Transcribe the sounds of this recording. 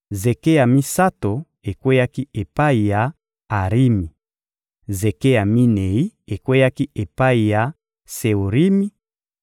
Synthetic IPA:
ze˨ke˦ja˨mi˦sa˦to˨ | e˨kwe˦ja˦ki˦e˨pa˦i˨ja˨ | a˨ʁi˦mi˨ | ze˨ke˦ja˨mi˦ne˨i˦e˨kwe˦ja˦ki˦ʔe˨pa˦i˨ja˨ | se˨o˨ʁi˦mi˦

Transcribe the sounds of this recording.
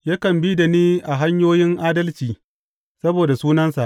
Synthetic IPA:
jaː˦kɐ˨mbi˦da˨niː˦ʔa˨ɦa˦ɲjoː˦jɪ˦ŋʔaː˦dɐ˦lt͡ʃiː˨ | sɐ˦boː˨da˨suː˦nɐ˦nsa˨ʔ

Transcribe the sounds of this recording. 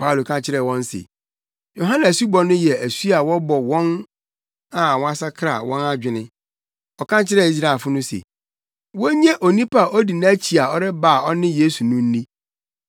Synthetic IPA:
pʰa˦u˨lo˨kʰã˦t͡ɕʰɪ˦ɾɛ˦˨wɔ̃˦n˦sḛ˨ | jo˨ɦã˦nã˨su˦bɔ˨nʊ̃˦jɛ˨æ˨su˦a˨wɔ˦bɔ˨wɔ̃˦n | ã˨wɔ˦a˦sa˦kʰɾa̰˨wɔ̃˦na˦d͡ʑᶣɪ˨nɪ̃˦ | ɔ˨kã˦t͡ɕʰɪ˦ɾɛ˦˨i˦s̬ɾa˨fʊ˦nʊ̃˦sḛ˨ | wɔ˦ɲẽ˦ʔo˨nĩ˦pa˨ɔ˦di˨nã˦t͡ɕʰi˨a˨ɔ˦ɾɪ˦ba˦˨ɔ˦nɪ̃˦jeː˦su˨nʊ̃˦n̩˦nĩ˦

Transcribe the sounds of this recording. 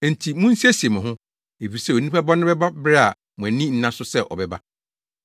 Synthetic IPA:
n̩˨tʰi˨mũ˦n̩˦si˦æ˦si˨e˨mʊ̃˨ɦʊ̃˦ | e˨fi˨ɾsɛ˦o˨nĩ˦pa˦bɔ˦nɪ̃˦bɛ˦ba˦bɪ˦ɾɛ˦a˨ | mʊ̃˨æ˨nĩ˦n̩˦nã˦sʊ˦sɛ˦ʔɔ̰˨bɛ˨ba˦

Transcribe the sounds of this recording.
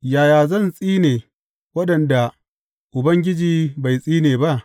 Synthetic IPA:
jaː˨jaː˨zɐ˦˨nsʼiː˦neː˨ | wɐ˦ɗɐ˨nda˨ | ʔʊ˨bɐ˦ŋɡʲɪ˦d͡ʒiː˦ba˨jsʼiː˦neː˨ba˦ʔ

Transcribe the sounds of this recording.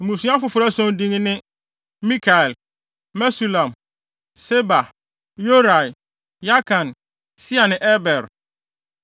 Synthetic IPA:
mũ˨sũ˦ã˦fʊ˨fʊ˨ɾa˦sɔ̃˦n˦dĩ˦ŋ˦nɪ̃˦ | mĩ˦kʰa˨ɛ˨lː | mɛ˦su˨lã˨m | se˦ba˨ | jo˦ɾa˨j | ja˦kʰã˨n | si˦a˨nɪ̃˨ʔɛ˦bɛ˨ɾ

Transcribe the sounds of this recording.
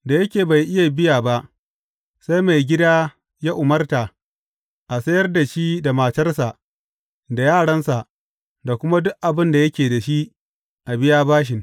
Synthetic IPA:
da˨jɐ˦kʲeː˨ba˨jʔɪ˦ja˨bɪ˦jaː˨ba˦ʔ | sa˦jma˨jɡʲɪ˦daː˦ | jaː˦ʔʊ˨mɐ˦rta˨ | ʔa˨sɐ˦jɐ˦rda˨ʃi˦da˨maː˨tɐ˦rsa˨ | da˨jaː˦˨ɽɐ˦nsa˨ʔ | da˨kʷʊ˦ma˦dʊ˦ʔʔa˨bɪ˦nda˨jɐ˦kʲeː˨da˨ʃi˦ | ʔa˨bɪ˦ja˦baː˦ʃ̬ɪ˨ŋ

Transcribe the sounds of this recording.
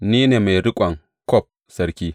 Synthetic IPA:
niː˦neː˨ma˨jɽɪ˦kʷʼɐ˨ŋ | kɔ˦˨p̚ | sɐ˦ɾkʲiː˦

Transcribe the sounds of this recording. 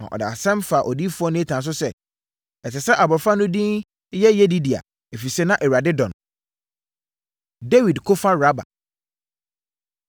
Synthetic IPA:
ã̰˨ʔɔ̰˨da̰˨a˨sɛ̃˦mfa˨ʔɔ˨di˦fʊ˦ɔ˦nʊ̃˦ɛ˦tʰã˨s̬ʊ˦sɛ˦ | ɛ˨tɪ˨sɛ˦ʔa˨bʊ˨ɾfa˦nʊ̃˦dĩ˦n˦ | jɛ˦jɛ˦di˦di˨a̰˨ | e˨fi˨sɛ˦nã˦ʔɛ˨ɾa˨dɪ˦dɔ̰̃˨n | de˦wi˨dkʰʊ˦fã˦ɾa˦ba̰˨

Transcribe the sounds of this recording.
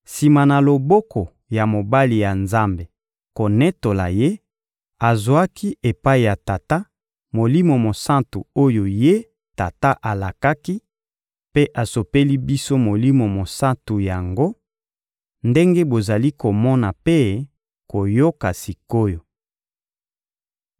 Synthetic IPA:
si˨ma˨na˨lo˨bɔ˦kʰɔ˨ | ja˨mo˨ba˦li˨ja˨nza˦mbe˨ | ko˨nɛ˦to˨la̰˨je˦ | a˨zwa˦kʰi˦ʔe˨pa˦i˨ja˨ta˨ta˦ | mo˨li˦mo˨mo˨sã˦tṵ˨o˦jo˨je˦ | ta˨ta˦ʔa˨la˨ka˦ki˦ | pe˦ʔa˨so˨pe˦li˦bi˦so˦mo˨li˦mo˨mo˨sa˦ntu˨ja˨ŋɡo˦ | nde˦ŋɡe˦bo˨za˨li˦ko˨mɔ˦na˨pe˦ | ko˨jo˦ka˨si˨ko˦jo˨

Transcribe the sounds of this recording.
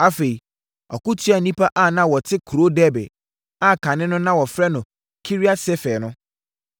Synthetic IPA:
a˦fe˨i˨ | ɔ̰˨kʊ˦tʰɥa˨nĩ˦pʰa˦ʔa˦˨nã˦wɔ˨tʰɪ˦kʰu˨ɾo˦dɛ˦bɛ̰˨ | a˦˨kʰã˨nɪ̃˦nʊ̃˦nã˦wɔ˨fɾɛ˦nʊ̃˨ | kʰi˦ɾi˦a˦sɛ˦fɛː˨nʊ̃˦

